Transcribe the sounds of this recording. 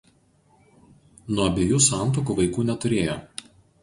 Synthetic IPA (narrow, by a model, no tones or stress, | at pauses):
nuɔɐbʲeːjuːsɑˑnt̪oːkuːˑʋɐɪkuːnʲɛt̪ʊɾʲeːjo